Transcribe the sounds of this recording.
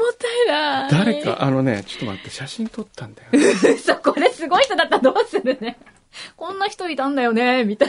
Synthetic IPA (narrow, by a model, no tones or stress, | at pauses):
mot̪ːaiɾad̪aɾe̞ka̰ʔano̞nḛt͡ɕo̥t̪ːoma̰t̪ːeɕaɕĩnt̪o̞t̪ʰːãnajoɯsokoɾesɨɡo̞içi̥t̪o̞d̪at̪ːad̪o̞ːsɨɾɯ̟ne | kõ̞nːaçi̥t̪o̞it̪ãnd̪ajo̞ne̞mʲit̪a